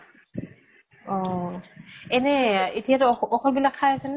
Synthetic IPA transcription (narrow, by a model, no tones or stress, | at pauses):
ɔ | ɛnɛetijatʊɔxʰɔlbilakʰːajasɛn